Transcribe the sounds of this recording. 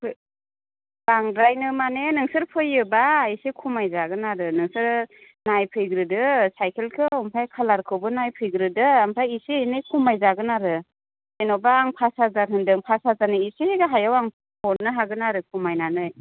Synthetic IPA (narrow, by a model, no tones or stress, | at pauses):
pʰɯ | baŋdɾajnɯmanenɯŋsɯɾpʰɯjːɯbaːjsikʰumajzaɡɯnaɾɯnɯŋsɯɾ | najpʰɯjɡɾɯdɯsajkʰelkʰɯɔmpʰajkʰalaɾkʰɯwbɯnajpʰɯjɡɾɯdɯampʰɾaisinɯjkʰumajzaɡɯnaɾɯ | senɔwbaːŋpʰasazaɾɦɯndɯŋpʰasazanɯisiɡɯɦajawaŋ | pʰɔɾnɯɦaɡɯnaɾɯkʰumajnanɯj